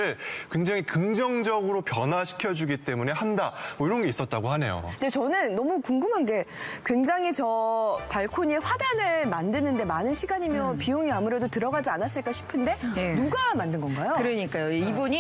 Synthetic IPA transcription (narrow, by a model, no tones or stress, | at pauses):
ɯɭkwe̞ŋd͡ʑaŋikɯŋd͡ʑʌŋd͡ʑʌɡɯɾopjʌnwaɕʰi̥kʰjʌd͡ʑuɡit͈e̞mune̞handaoiɾʌnɡe̞is͈ʌt̚t͈aɡohane̞̰jo̰nde̞t͡ɕʌnɯnːʌmukuŋɡɯmanɡe̞kwe̞ŋd͡ʑaŋit͡ɕʌpaɭkʰoɲeɸwadanɯɭmandɯnɯnde̞manɯnɕʰiɡaɲimjʌnpijoŋiamuɾe̞dotɯɾʌɡad͡ʑianas͈ɯɭk͈aɕʰi̥pʰɯnde̞enuɡamandɯnɡʌnɡajokɯɾɯɲik͈ajoeibuɲi